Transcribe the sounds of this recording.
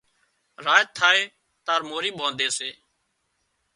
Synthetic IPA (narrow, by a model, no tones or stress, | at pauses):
ɾaːjt̪ʰːaːeː | t̪aːɾmoːɾiːɓʱõːnd̪eːseː